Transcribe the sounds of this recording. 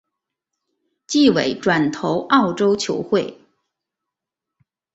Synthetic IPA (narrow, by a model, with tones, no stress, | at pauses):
t͡ɕi˥˩we˨˩ɪʈ͡ʂwa˨˩nt̪ʰo˧˥ʊʔɑ˥˩ʊʈ͡ʂo˥ʊt͡ɕʰjo˧˥ʊxwe˥˩ɪ